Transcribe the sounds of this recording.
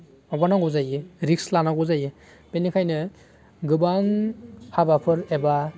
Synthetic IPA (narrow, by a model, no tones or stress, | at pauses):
ɔbanaɡɔzajɯɾik̚slanaɡɔzajɯ | b̥enikʰajnɯ | ɡɯbanhabapʰɯɾeba